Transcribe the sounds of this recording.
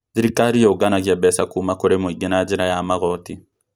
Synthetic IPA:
ðiɾikaɾijoɡanaɣiabɛsakumakoɾemoiɡenad͡ʒɛɾajamaɣɔti

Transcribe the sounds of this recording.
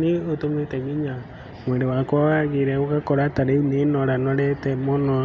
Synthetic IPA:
niotometeɣiɲa | mweɾewakwawaɣiɾɛokakɔɾataɾeunenɔɾanɔɾɛtɛmonɔ

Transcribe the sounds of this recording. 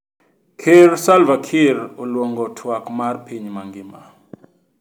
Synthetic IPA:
kʰeɾsalvakʰɪɾolwɔŋɡɔtʰwakmarpiɲmaŋɡɪma

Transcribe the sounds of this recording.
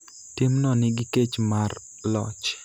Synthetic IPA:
tɪmnɔnɪɡɪket͡ʃmar | lɔ̰t͡ʃ

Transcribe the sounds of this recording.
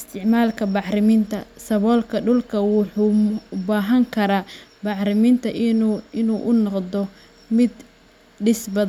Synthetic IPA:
ɪst̪ʰɪʕmaːlkʰɐbɑħɾɪmiːnt̪ʰɐsɐβɔːlkʰɐɖʊlkʰɐwʊħubaːɦɐŋkʰɐɾaːbɑħɾɪmiːnt̪ʰɐʔɪnuːʔʊnɔqd̪ɔ | mɪd̪ | ɖɪsbɐð

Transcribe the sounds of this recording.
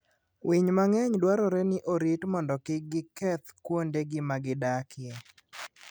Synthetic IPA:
wʔiɲmaŋɛɲdwaɾɔɾenɪʔoɾitmɔndɔkɪɡɪkɛt̪kwondeɡɪmaɡɪdakʰɪe

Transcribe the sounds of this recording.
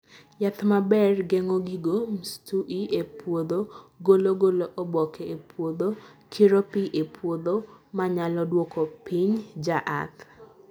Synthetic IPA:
jat̪mabɛrɡeŋoɡiɡomstuʔiepwod̪oɡoloɡoloʔobɔkʰɛepʰwod̪okʰiɾopiʔepʰwod̪omaɲalɔdwokopiɲd͡ʒaʔa̰t̪

